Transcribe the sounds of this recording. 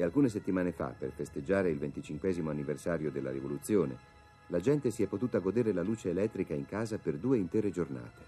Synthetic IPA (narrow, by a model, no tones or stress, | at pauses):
ealkuːnes̬et̪ːimaːnefa̰pːerfest̪ed͡ʒːaːɾeilvent̪it͡ʃiŋkwɛːzimoanːiversaːɾjod̪elːa̰ɾivolut̪sːjoːnḛ | lad͡ʒɛnt̪esiɛpːot̪uːt̪aɡod̪eːɾelaluːt͡ʃeːlɛt̪ːɾikaiŋkaːzaperd̪uːeint̪ɛːɾed͡ʒorna̰ːt̪e̥